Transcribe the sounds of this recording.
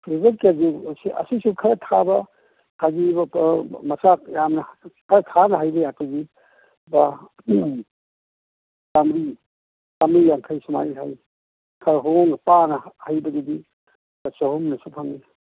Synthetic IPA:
pʰɾizekaɡisiɐ̰sisukʰɐɾɐtʰabɐ | kʰaɡibmɐsajamnɐkʰɐɾɐtʰanɐɦajbɐjatuɡi | ba | kamɾi | kamɾijaŋkʰajsuma̰jɦʰa̰j | kʰɐɾɦoŋpanɐhajbɐɡedi | b̥ɐsohumnɐsupʰaŋi

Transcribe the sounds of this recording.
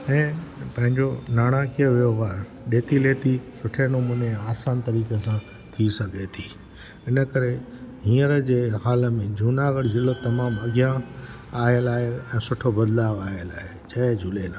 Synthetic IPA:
ɛ̃ːpɐ̃ɦɪ̃ɲd͡ʑonaːɽ̃akiəʋijoʋaːɾ | ɗeːt̪ileːt̪isʊʈʰenũmũːneaːsaːnt̪ɐɾiːkesã | t̪ʰisɐɡʱet̪ʰiː | ɪnə̆kɐɾe | ɦĩːəɾəd͡ʑeːɦaːlə̆mẽd͡ʑʱuːnaːɡəɽzɪlot̪ɐmaːmɐɡijã | aːɪəlaːɦeɛ̃ːsʊʈʰobɐd̪laːʋaːiəla̰ːɦet͡ɕɐd͡ʑʱuːleːlaː

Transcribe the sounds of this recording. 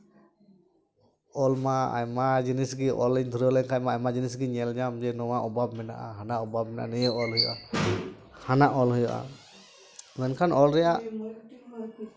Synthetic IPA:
ɔlmaa̰jmad͡ʒinisɡiʔɔlɛɲd̪ʰʱuɾɔlɛɲkʰajmaajmad͡ʒinisɡiɲɛld͡ʒamd͡ʒɛnɔwaʔɔbab̚mɛna̰ʔaɦanaʔɔbab̚mɛna̰ʔanɛjɔɔlɦɔjɔʔa | hanaʔɔlɦujɔʔa̰ | wɛnkʰanɔlɾɛjaʔ

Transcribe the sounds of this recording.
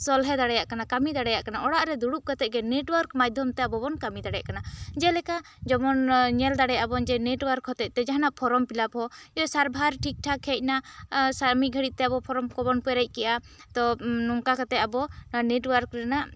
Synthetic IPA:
sɔlɦɛd̪aɽɛjaʔkanakamid̪aɽɛjaʔkanaʔɔɽaʔɾɛd̪uɽuʔ̚kat̪ɛʔ̚ɡɛneʈwaɾkmad͡ʒd̪ʱjɔmt̪ɛabɔbɔnkamid̪aɽɛjaʔkanad͡ʒɛlɛka | d͡ʒɔmɔnɲɛld̪aɽɛjaabɔnd͡ʒɛneʈwaɾkhɔt̪ɛt̪ɛd͡ʒaɦanaʔpʰɔɾɔmpilap̚ɦɔjɔsaɾbʱaɾʈʰik̚ʈʰakʰɛc̚ˀnasaɾmiɡʱəɽit̪̚t̪ɛabɔpʰɔɾɔmkɔbɔnpɛɾɛc̚ˀkɛʔat̪ɔnɔŋkakat̪ɛcabɔnaneʈwaɾkɾɛnaʔ

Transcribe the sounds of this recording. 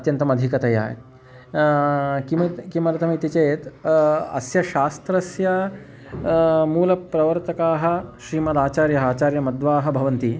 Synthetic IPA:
ɐt̪jɐnt̪ɐmɐd̪ʱikɐt̪ɐja̰ːɦḛt̪ | kiʋɐkimɐlɐt̪ʰɐmɐit̪it͡ɕet̪ɐ̰sjɐʃaːst̪ɾɐsjɐ | muːlɐpɾɐʋɐɾt̪ɐkaːɦɐ̆ɕɾiːmɐd̪aːt͡ɕaːɾjɐɦaːt͡ɕaːɾjɐmɐd̪ʋaːɦɐ̆bʱɐʋɐnt̪i

